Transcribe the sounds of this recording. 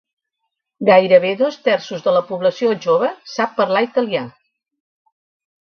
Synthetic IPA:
ɡajɾəβ̞eðost̪ɛrsuzðələpuβləsioʒoβ̞əsapːəɾlait̪əlia

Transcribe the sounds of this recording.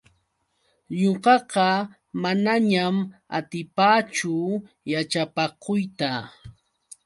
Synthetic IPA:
ɲoɢɑqɑ | manaɲama̰t̪ɪpaːt͡ʃʊ | jat͡ʃapakʊjt̪a

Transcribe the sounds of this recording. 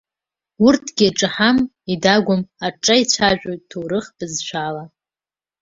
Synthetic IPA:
urtʰɡʲiaʈ͡ʂʼɨħam | idaɡʷʊmaʈ͡ʂʼait͡ɕʷʰaʒʷᶣʼojttʰowɾɨχb̥ɨzʃʷʰala

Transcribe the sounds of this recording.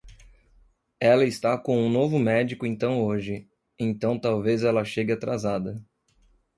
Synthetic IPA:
ɛlɐɪst̪akõũnovʊmɛd͡ʒikʊẽnt̪ɐ̃w̃oʒɪ | ẽnt̪ɐ̃w̃t̪awvezɛlɐʃeɡɪat̪ɾazad̪ɐ

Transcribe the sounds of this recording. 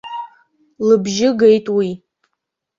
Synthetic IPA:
lɨbʒɪɡejtʼwi

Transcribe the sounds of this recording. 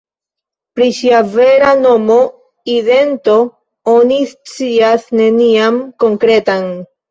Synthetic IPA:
pɾiʃiave̞ɾano̞mo̞ | ide̞nto̞ | onist͡siasne̞niamko̞ŋkɾe̞tan

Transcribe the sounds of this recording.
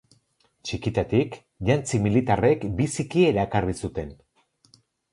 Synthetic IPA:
t͡ʃikit̪at̪ik | ʎant͡similit̪are̞kbisikie̞ɾaekarisut̪e̞n

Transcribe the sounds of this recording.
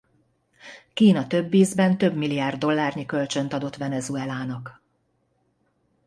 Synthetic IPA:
kiːnɒt̪ø̞bːiːzbɛnt̪øbmilijaːrd̪ːo̞lːaːrɲikø̞lt͡ʃø̞nt̪ɒd̪o̞t̪ʋɛnɛzuɛlaːnɒk

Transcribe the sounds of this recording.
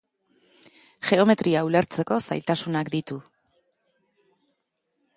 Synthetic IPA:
xe̞o̞me̞t̪ɾiauleɾt͡se̞ko̞sa̰jlt̪asunakd̪it̪u

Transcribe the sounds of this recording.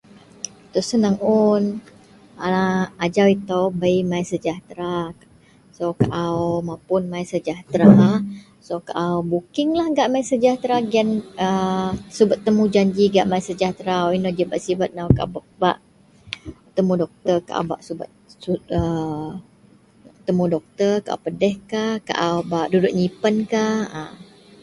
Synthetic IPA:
t̪ɔsənəŋun | aad͡ʒawit̪obəjmajsəd͡ʒaht̪ɾa | sokaʔaomapʊnmajsəd͡ʒaht̪ɾa | sokaʔaobukɪŋlahɡaʔmajsəd͡ʒaht̪ɾaɡɛnəsubət̪ːəmud͡ʒaɲd͡ʒiɡaʔmajsəd͡ʒaht̪ɾaoinod͡ʒibaʔsibat̪̚nawkab | baʔ | t̪əmudɔk̚t̪ərka̰ʔa̰ba̰ʔsubə̰t̪uə | t̪əmudɔk̚t̪ərka̰ʔa̰pədɛhkahka̰ʔaobaʔdudʊʔ̚ɲipənkahə

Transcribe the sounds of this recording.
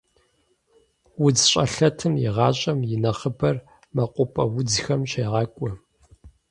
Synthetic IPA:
wʊd͡zɕʼɐɬɐtʰɨmjɪ̰ʁɑːɕʼɐmjɪnɐχəbɐr | mɐqʷʼʊpʼɐwʊd͡zxɐmɕeːʁɑkʷʼʊ

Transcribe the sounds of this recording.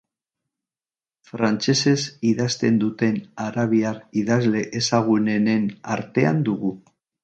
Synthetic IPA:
fɾant͡ʃe̞se̞siðast̪e̞nd̪ut̪e̞naɾaβ̞iariðazle̞ʔesaɣ̞une̞nena̰ɾt̪e̞a̰nd̪uɣu

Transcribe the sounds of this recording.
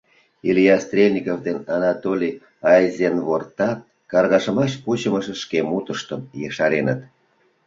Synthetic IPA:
ilʲijɑst̪rʲelʲnʲikovd̪enɑnɑt̪olʲi | ɑjzʲenβort̪ɑt̪̚ | kɑrɣɑʃə̆mɑʃput͡ɕəməʃĕʃkemut̪əʃt̪əmjeʃɑɾenə̰t̪

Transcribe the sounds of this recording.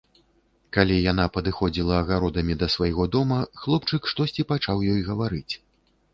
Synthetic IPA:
kalʲijan̪apɐd̪ɨxɔd͡zʲilˠɐːɣaɾɔd̪ɐmʲid̪ɐsvajɣɔd̪ɔmɐxlˠɔpt͡ʂɨkʂt̪ɔsʲt͡sʲipat͡ʂawjɔjɣɐvaɾɨt͡sʲ

